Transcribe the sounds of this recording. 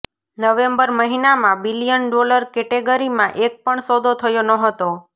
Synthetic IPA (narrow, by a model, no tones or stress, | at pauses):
nəʋembəɾməɦinamãbilijənɖoləɾkɛʈeɡəɾimãʔek̚pəɳsɔd̪ʱot̪ʰəjonəɦət̪o